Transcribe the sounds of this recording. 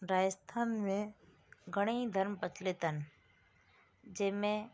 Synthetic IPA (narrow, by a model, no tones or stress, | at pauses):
ɾaːjəst̪ʰaːnmẽ | ɡʱəɽ̃eĩd̪ʱəɾmpət̪ʰlet̪ən | d͡ʒemẽ